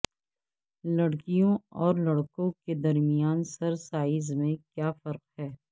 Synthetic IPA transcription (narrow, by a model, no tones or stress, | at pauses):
lɐɽkijõɔːɾlɐɽkõked̪ɐɾmijaːnsɐɾsaːɪzmẽkjaːfɐɾqhɛː